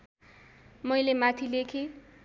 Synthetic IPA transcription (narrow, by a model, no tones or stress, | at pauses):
mʌjlemat̪ʰilekʰe